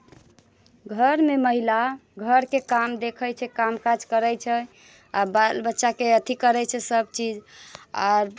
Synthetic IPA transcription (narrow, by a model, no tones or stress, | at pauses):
ɡʱəɾmeməɦilaɡʱəɾkekamd̪ekʰəjt͡ʃʰɛkamkad͡ʒkəɾəjt͡ʃʰɛ | abalbətːʃakeət̪ʰikəɾɛt͡ʃʰɛsəbt͡ʃid͡ʒa̰ɾ